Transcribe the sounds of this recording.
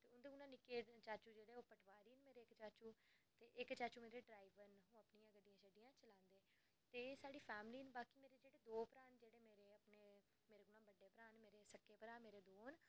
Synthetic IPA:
t̪eːʊnd̪eːɡunãːnɪkeːt͡ʃaːt͡ʃuːd͡ʒeːɽeːoːpəʈʰʋaːɾiːnmeːɾeːkt͡ʃaːt͡ʃuːt̪eːʔɪkt͡ʃaːt͡ʃuːmeːɾeːɖɾaːiʋənɦũːəpnijãːɡəɖijãːt͡ʃʰəɖɪjãːt͡ʃəlãːnd̪eː | t̪eːsaːɽiːpʰɛːmliːnbaːkiːmeːɾeːd͡ʒeːɽeːd̪oːpɾaːnd͡ʒeːɽeːmeːɾeːəpneː | meːɾeːɡʊlãːbəɖeːpəɾaːnmeːɾeːsəkːeːpəɾaːmeːɾeːd̪oːn

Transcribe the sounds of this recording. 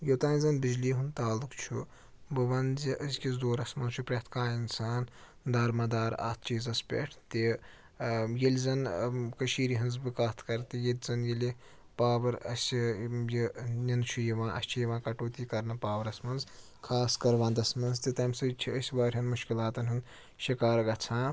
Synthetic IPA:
jot̪aːnzɐnbid͡ʒliːɦunt̪aːlukt͡ʃʰu | bɐʋɐnziʔəsʲkʲizd̪oːɾɐsmɐnzt͡ʃʰupɾʲɐt̪ʰkaːinsaːn | d̪aːɾmaːd̪aːɾa̰ːt̪ʰt͡ʃiːzɐspʲḛʈʰt̪i | jɐlʲzɐnkɐʃiːɾiːɦɐnzbɨkaːt̪ʰkɐɾt̪ijelʲzɐnjɐlʲi | paːʋɐɾɐ̰sʲjinʲint͡ʃʰujiʋãːʔɐ̰st͡ʃʰijɐʋãːkɐʈoːt̪iːkɐɾnɐpaːʋɐɾɐsmɐnz | kʰaːskɐɾʋãːnd̪ɐsmɐnzt̪it̪ɐmsɨt͡ʃʰiəsʲbaːɾʲɦɐnmuʃkilaːt̪ɐnɦɨn | ʃikaːɾɡɐt͡sʰãː

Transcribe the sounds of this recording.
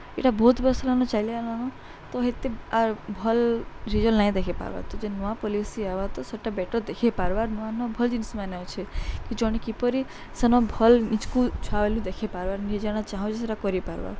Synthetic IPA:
ḛʈabot̪bɔslanɔ̃t͡ʃailialañɔ̃ | t̪ɔɦet̪eabʱɔlɾid͡ʒɔlnaĩd̪ekʰepa̰ɾba̰t̪ɔd͡ʒenuapɔlisiaʋat̪ɔsɔʈabɛʈəɾd̪ekʰepaɾbaɾnuanɔbʱɔld͡ʒinsmanat͡ʃʰekid͡ʒɔɽ̃ikipɔɾi | sənɔbʱɔlnit͡ʃkut͡ʃʰaelũd̪ekʰepaɾbaɾnid͡ʒaɽ̃at͡ʃaɦɔ̃t͡ʃʰeseɾakɔɾipaɾba̰ɾ

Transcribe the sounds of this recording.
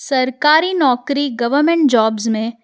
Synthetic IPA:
sɐɾkaːɾinɔːkɾiɡɐʋəɾmẽɳʈ̚d͡ʒɔːbzmẽ

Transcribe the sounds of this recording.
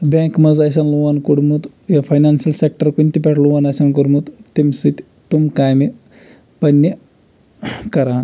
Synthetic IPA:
bẽkmɐd͡zas̬anluʋankuɽmut̪ | jafʰajnansɐlsek̚ʈəɾkunʲt̪ipʲɛʈluʋanasankuɽmut̪t̪imsut̪ | t̪umkajmi | pɐnːe | kɐɾaːn

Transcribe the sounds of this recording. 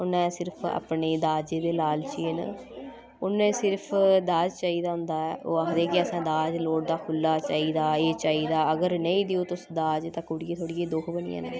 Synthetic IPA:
ʊnɛ̃ːsɪɾpʰa̰ːpneːd̪aːd͡ʒeːd̪eːlaːlt͡ʃiːn̰ | ʊnːẽːsɪɾpʰd̪aːd͡ʒt͡ʃaːiːd̪aːɦʊ̃nd̪aːɛːʔoːaːkd̪eːkɪəsãːd̪aːd͡ʒloːɽd̪aːkʰʊlːaːt͡ʃaːiːd̪aːeːt͡ʃaːiːd̪aːəɡəɾnəĩːd̪ɪoːt̪ʊsd̪aːd͡ʒt̪ãːkʊːɽiːeːt̪ʰoːɽijeːd̪ʊkʰbənḭːã̰ːnẽː

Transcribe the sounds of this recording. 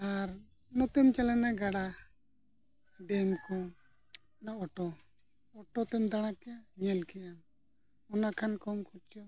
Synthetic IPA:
aɾ | nɔt̪ɛmt͡ʃalanaɡaɽa | ɖɛmkɔ | naɔʈɔ | ɔʈɔt̪ɛmd̪aɽ̃akɛjaɲɛlkɛjam | ɔnakʰankɔmkʰuɾt͡ʃɔ

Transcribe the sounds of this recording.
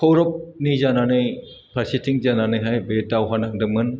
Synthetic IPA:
kʰɔwɾɔp̚nizananɯj | pʰaɾsitʰiŋzananɯjɦajbetːawɦanaŋdɯmɯn

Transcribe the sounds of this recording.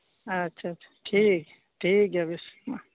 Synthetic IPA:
ɐtːʃʰaḁʈʰiːk | ʈʰiːkabisma

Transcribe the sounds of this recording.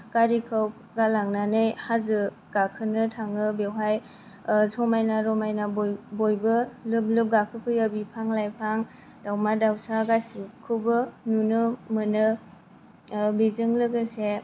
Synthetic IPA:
ɡaɾikʰɯw | ɡalaŋnanɯjhazɯ | ɡ̥akʰɯnɯtʰaŋɯbewɦaj | sɔmajnaɾɔmajnabjbojbɯlɯb̚lɯp̚ɡakʰɯpʰɯjabipʰaŋlajpʰaŋ | dawmadawsaɡasikʰɯbɯnunɯmɯnɯ | bizɯŋlɯɡɯse

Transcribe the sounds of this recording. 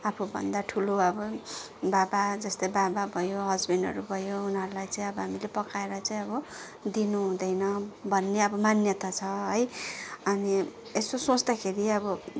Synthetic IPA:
apʰubʱʌ̰nd̪aʈʰuloʌbʌ | babad͡zʌst̪ʌjbababʱʌjoɦʌd͡zbʱinʌ̰ɾubʱʌjounɦʌɾulajt͡saĩʌbʌɦamilepʌkaeɾʌt͡saĩʌbʌ | d̪inuɦũd̪ʌjnʌbʱʌnːeʌbʌmanjʌt̪at͡sʰʌɦʌjʌni | esosõt͡sd̪akʰeɾiʌbʌ

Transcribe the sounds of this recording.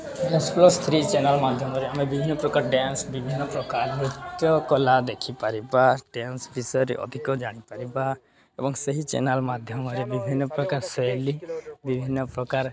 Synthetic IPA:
ɖɛnsplɔst̪ʰɾit͡ʃenalmad̪ʱjɔmɔɾeamebibʱinːɔpɾɔkaɾɖɛnsbibʱinːɔpɾɔkaɾmɾit̪jɔkɔlad̪ekʰipaɾibaɖɛnsbisɔɾḛʔɔ̰d̪ʱikɔd͡ʒaɽ̃ipaɾiba | ebɔŋsəɦit͡ʃɛ̰nalmad̪ʱjɔmɔɾebibʱinːɔpɾɔkaɾsɔjlibibʱinːɔpɾɔkaɾ

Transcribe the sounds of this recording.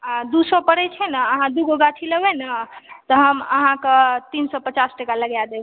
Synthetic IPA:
d̪usɔpəɽɛt͡ʃʰɛnəəɦãd̪uɡoɡaʈʰiləbɛnət̪ɔɦəməɦãket̪insɔpət͡ʃasʈəkaləɡjad̪eb

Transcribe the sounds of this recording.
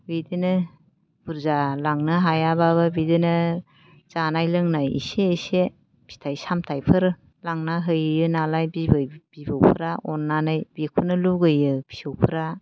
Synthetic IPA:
bidɯnɯ | b̥uɾzalaŋnɯɦajabaβɯbidɯnɯ | z̥anajlɯŋnajḭseːse | b̥ʰi̥tʰajsamtʰajpʰɯɾɯ | laŋnaɦɯjɯjɯnalajbibɯb̥ibɯwpʰɯɾaʔɔnːanajb̥ekʰunɯluɡɯjɯbʰi̥sɯwpʰɯɾa

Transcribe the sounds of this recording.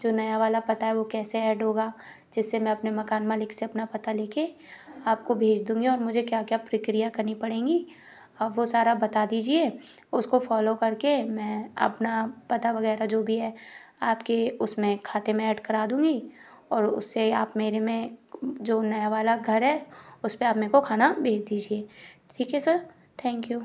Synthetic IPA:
d͡ʒoːnɐjaʋaːlapɐt̪aɦɛʋokɛːseɛːʈɦoːɡaː | d͡ʒɪsːemɛ̃ɐpnemɐkaːnmãlɪkseɐpnapɐt̪aleːkʰe | aːp̚kobʱeːd͡ʒd̪ũːŋɡiɔːɾmʊd͡ʒʱekjaːkjaːpɾɐkɾijakɐɾnipɐɽẽːŋɡi | ɐbʋosaːɾabɐt̪ad̪iːd͡ʒie | ʊskofɔːlokɐɾkemɛ̃ːɐ̰pnapɐt̪aʋɐɣɛːɾad͡ʒoːbʱiɦɛːaːpkeʊsmẽkʰaːt̪emẽɛːʈkɐɾaːd̪ũːŋɡi | ɔːɾʊ̰sːeaːpmeːɾemẽd͡ʒoːnɐjaʋaːlaɡʱɐɾɦɛʊspẽaːpmeːɾkokʰaːnabʱeːd͡ʒd̪iːd͡ʒieːʈʰiːkɦɛsɐɾ | t̪ʰɛ̃ːŋkjuː

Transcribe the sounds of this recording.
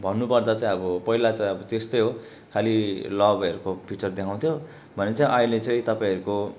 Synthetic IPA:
bʱʌnːupʌrd̪at͡sãĩʌbʌpʌɦilat͡saĩʌbʌt̪est̪ʌjɦo | kʰalilʌbʌɾukopʰiʈʌrd̪ekʰaw̃t̪ʰjo | bʱʌnet͡sãĩʔʌĩlet͡sʌ̃ĩt̪ʌpaĩʌɾuko

